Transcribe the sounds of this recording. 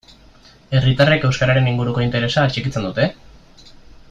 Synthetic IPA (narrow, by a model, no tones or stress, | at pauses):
e̞rit̪are̞ke̞wskaɾaɾe̞niŋɡuɾuko̞int̪e̞ɾe̞saːt͡ʃekit͡se̞nd̪ut̪e̞